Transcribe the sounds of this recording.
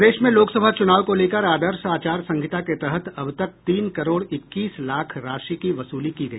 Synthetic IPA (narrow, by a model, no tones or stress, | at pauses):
d̪eːʃmẽloːksəbʱat͡ʃʊnaːʋkoleːkəɾaːd̪əɾʃaːt͡ʃaːɾsɐ̃ŋɡʱɪt̪aket̪ɛɦət̪ɐbt̪ɐk̚t̪iːnkɐɾoːɽɪkːiːslaːkʰɾaːʃikiʋɐsuːlikiɡɐḭː